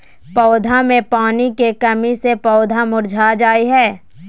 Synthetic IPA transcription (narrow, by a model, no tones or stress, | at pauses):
pɔːd̪ʱamẽpaːnikekɐmisepɔːd̪ʱamʊɾd͡ʒʱaːd͡ʒaːiɦɛː